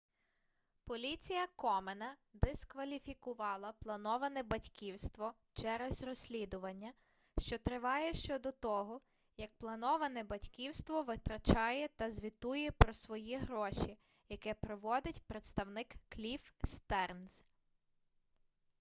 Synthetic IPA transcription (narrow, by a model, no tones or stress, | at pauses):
pɔlʲit͡sʲijɐkɔmenɐd̪eskʋɐlʲifʲikʊʋɑlˠɐplˠɐnɔʋɐnɛbɐtʲkʲiwst̪ʋɔ | t͡ʃɛɾɛzrɔsʲlʲid̪ʊʋɐnʲːɐ | ʃt͡ʃɔt̪ɾɪʋɑjɛʃt͡ʃɔd̪ɔt̪ɔɦɔ | jɐk̚plˠɐnɔʋɐnɛbɐtʲkʲiwst̪ʋɔʋɪt̪ɾɐt͡ʃɑjɛt̪ɐzʲʋʲit̪ujɛpɾɔsʋɔjiɦɾɔʃʲi | jɐkɛpɾɔʋɔd̪ɪtʲpɾet̪st̪ɐwnɪkːlʲifst̪ɛrns